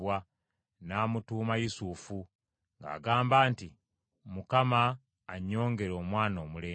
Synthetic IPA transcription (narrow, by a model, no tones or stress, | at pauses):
wa | naːmutuːmajusufu | ŋɡa̰ːɡaːmbaːnti | mukamaː | ɲːo̞ːŋɡe̞ɾo̞ːmwaːnoːmuleː